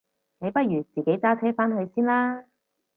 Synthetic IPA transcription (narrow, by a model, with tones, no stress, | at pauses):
ne˨˧jpɐ˥t̚jyː˨˩t͡siː˨˩ke˨˥jt͡saː˥t͡sʰɛː˥faː˥nɦɵ˧ɥsiː˥nlaː˥